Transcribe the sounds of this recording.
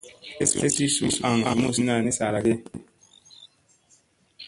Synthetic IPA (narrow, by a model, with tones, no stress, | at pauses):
e˦se˦si˦su˦sa˨ŋa̰˨mu˦˨si˦na˨ni˦sa˨la˨ɡe˦